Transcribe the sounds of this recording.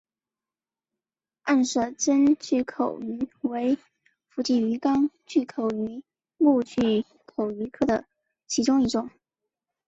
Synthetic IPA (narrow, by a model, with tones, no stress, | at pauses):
a˥˧nʂɤ˥˩ʈ͡ʂə˥nt͡ɕy˥˩kʰo˨˩ʊy˧˥we˧˥ɪ | fu˧˥˩t͡ɕi˥˩y˧˥kɑ˥ŋt͡ɕy˥˩kʰo˨˩ʊy˧˥ | mu˥˧t͡ɕy˥˩ | kʰo˨˩ʊy˧˥kʰɤ˥d̪ə˨ | t͡ɕʰi˧˥ʈ͡ʂʊ˥ŋi˥˩ʈ͡ʂʊ˨˩˦ŋ